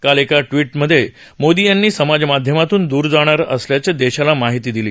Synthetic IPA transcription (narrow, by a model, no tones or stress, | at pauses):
kalekaʈʋiːʈməd̪ʱːje | mod̪ijanːiːsəmad͡zmad̪ʱjəmat̪uːnd̪uːɾd͡zaɽ̃aɾə̰sljat͡ɕjad̪eɕalamaɦit̪iːd̪iliː